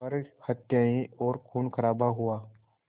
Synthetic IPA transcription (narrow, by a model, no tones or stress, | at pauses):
ɐɾhət̪jaːĩɔːɾkʰuːnkʰəɾaːbaɦʊaː